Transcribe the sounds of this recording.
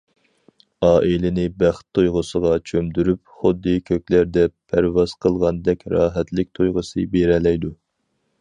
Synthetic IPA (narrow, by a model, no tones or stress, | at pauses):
ɑːʔilɪnɪbæχt̪ʰːojʁəsəʁɑt͡ʃʰømd̪yɾypχʊd̪ːɨkʲʰøkʲlæɾd̪ɛpʰæɾvɑz̥qʰəlˠʁɑnd̪ɛkʲɾɑːɦɛt̪lɪk̚ʲt̪ʰojʁəsɨbeɾɛlɛjd̪u